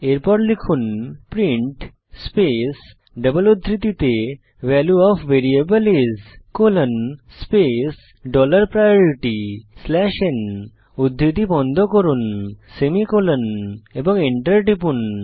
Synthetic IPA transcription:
eɾpɔɾʈlikʰuːnpɾĩɳʈ | spes | ɖəbəlud̪ʱɾit̪it̪e | ʋɛljuɔfʋeɾiebəlezkolənspes | ɖɔləɾpɾajɔɾiʈislɛʃen | ud̪ʱɾit̪̬ibɔnd̪ʱɔkɔɾunsemikolənebɔŋɡeɳʈəɾʈipun

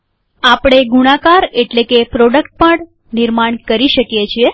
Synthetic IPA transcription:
apɽ̃eɡuɽ̃akaɾeʈlekepɾoɖəkʈ̚pəɳ | nɪɾmaɳkəɾiʃəkjet͡ʃʰie

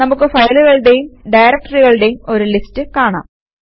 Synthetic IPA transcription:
nɐmukːɨfɐjluɣɐɭɨɽe̞jumɖɐjɾɐk̚ʈɐriɣɐɭɨɽe̞jumo̞ɾulistɨkaːɳa̰ːm

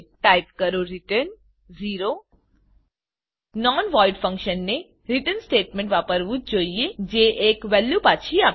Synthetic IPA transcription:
ʈaːɪp̚kəɾoɾiʈəɾn | ziːɾo | nɔːnʋɔːɪɖfʰə̃ŋkʃənːe | ɾɪʈənsʈeːʈmẽɳʈʋaːpəɾʋut̪̚d͡ʒoːijed͡ʒeːʔeːkʋɛlːupaːt͡ʃʰiaːp

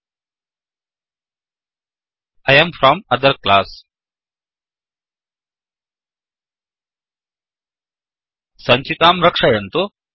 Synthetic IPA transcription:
ajəmfɾɔmɐd̪əɾklaːs | sɐ̃ɲt͡ʃit̪aːmɾɐkʂajɐ̃nt̪u

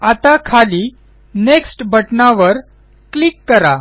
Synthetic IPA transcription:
at̪akʰaliː | neksʈbəʈnaʋəɾ | kliːkːəɾa

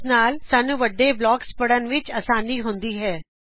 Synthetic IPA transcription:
naːlsaːnũːʋəɖːeːblɔːkspəɽənʋɪt͡ʃəːsaːniːɦʊnd̪iːɦɛː

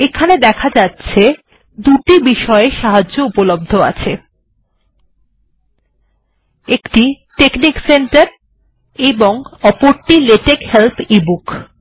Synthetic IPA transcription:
ekʰaned̪ɛkʰad͡ʑatːɕʰe | d̪uʈibiʃɔeʃaɦad͡ʑʑoupolob̚d̪ʱoa̰t͡ɕʰe | ekʈi | ʈeknikseɳʈaɾ | eboŋɔpoɾʈileʈekhelt̪ʰibuk

